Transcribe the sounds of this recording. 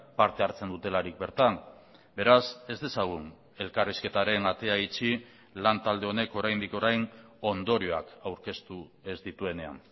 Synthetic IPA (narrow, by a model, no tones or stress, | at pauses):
paɾt̪e̞aɾt͡se̞nd̪ut̪e̞laɾik̚be̞ɾt̪an | be̞ɾase̞zd̪e̞saɣ̞un | e̞lkariske̞t̪aɾe̞nat̪e̞ait͡ʃi | lant̪ald̪e̞o̞ne̞ko̞ɾajnd̪iko̞ɾajno̞nd̪o̞ɾio̞a̰kawɾke̞st̪uezd̪it̪ue̞ne̞a̰n